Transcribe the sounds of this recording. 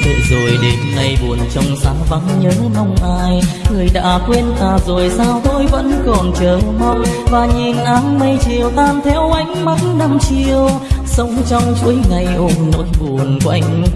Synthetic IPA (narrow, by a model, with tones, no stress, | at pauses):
ɗo̰˧˨zo˨˩jɗe˨˦mna˧jɓu˨˩ənt͡ɕɔ˧wŋ͡msaː˨˦ɓa˨˦ŋɲəː˨˦mɔ˧wŋ͡mʔaː˧jŋɨ˨˩əjɗa̰ː˧˥kwe˧nt̪aː˨˩zo˨˩jsaː˧wt̪o˧jvə̰˧˥nkɔ˨˩nt͡ɕəː˨˩ma˧wŋ͡mvaː˨˩ɲi˨˩nʔaː˨˦nmə˧jt͡ɕi˨˩əwt̪aː˧nt̪ʰɛ˧˥wʔa˨˦jŋ̟ma˨˦˥tnɗa˧mt͡ɕi˧˩əwsə˨˧˦wŋ͡mt͡ɕɔ˧wŋ͡mt͡ɕṵ˧˥əjŋa˨˩jʔo˧˩nːo̰˧˥jɓu˨˩ənkʔa˧jŋ̟